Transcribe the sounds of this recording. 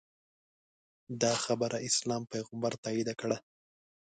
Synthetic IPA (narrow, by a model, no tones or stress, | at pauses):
d̪ɑxabəɾʔaʔɪslɑmpajɣambaɾt̪ɑid̪akɽa